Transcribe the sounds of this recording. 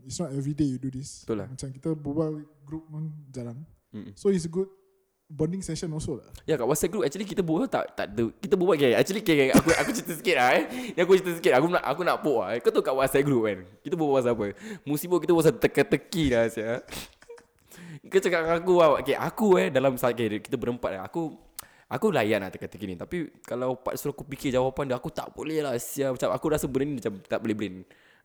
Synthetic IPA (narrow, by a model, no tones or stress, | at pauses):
itsnɔtɛvɾidejududist̪ula̰mat͡ʃamkit̪əbubaɡɾup̚mand͡ʒalan̩ | sois̬əɡud̚ | bəndĩŋsɛʃə̃nɔsolajakaʔwatsat̪̚ɡɾup̚ɛk̚t͡ʃuəlik̬it̪əbuət̪a̰ʔt̪a̰ʔdəkit̪əbubaʔk̬ɛɛ̰k̚t͡ʃuəlikea̰kuʔakut͡ʃit̪əsəkɪt̚laɛniak̬uit̪əs̬əkit̚akuna̰ʔakunaʔpoʔa̰ikot̪okaʔwat̚sat̚ɡɾup̚ankit̪əbuaʔas̬aːpəmusiboʔkit̪əbuas̬at̪əkət̪əkilasia | kət͡ʃəkaʔaakuaakeʔa̰kuɛdalamsakekit̪əbəɾəmpa̰t̪̚la̰a̰ku | akulajaʔna̰ʔt̪əkət̪ːəkinit̪apikalawpa̰ʔsuɾaakupikɪd͡ʒawapanduakut̪a̰ʔbolɛhlasiamat͡ʃamakuɾasəbənarnimat͡ʃamt̪aʔbolɛbəɾɪn